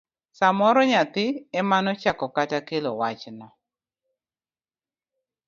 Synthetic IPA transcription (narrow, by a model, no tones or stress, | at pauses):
samɔɾɔɲat̪ɪɛmanɔt͡ʃakɔkatakelowat͡ʃnɔ